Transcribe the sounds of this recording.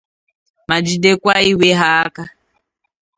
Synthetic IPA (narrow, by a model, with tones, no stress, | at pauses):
ma˨d͡ʒi˨de˦kʷa˦i˦we˦ɦa˦ka˦